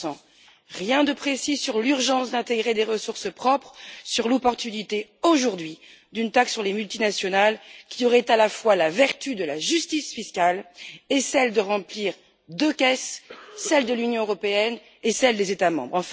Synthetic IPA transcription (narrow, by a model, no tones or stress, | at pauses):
ɑ̃ | ʁjɛ̃d̪əpχesisyʁlyʁʒɑ̃sd̪ɛ̃t̪eɡʁed̪eʁəsuʁsəpχɔpχsyʁlɔpɔʁt̪ynit̪eoʒuʁd̪ɥi | d̪ynt̪aksːyʁlemylt̪inasjɔnalkʲiɔʁɛt̪alafwalavɛʁt̪yd̪əlaʒyst̪isfiskalesɛld̪əʁɑ̃pliʁ | d̪økɛssɛld̪əlynjɔ̃øʁɔpeɛn | esɛld̪ezet̪amɑ̰̃bʁɑ̃f